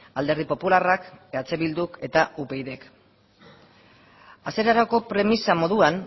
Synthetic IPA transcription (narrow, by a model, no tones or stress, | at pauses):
ald̪e̞ɾðipo̞pularakat͡se̞βild̪uke̞t̪aupe̞jðe̞k | ase̞ɾaɾako̞pɾe̞misamo̞ðuan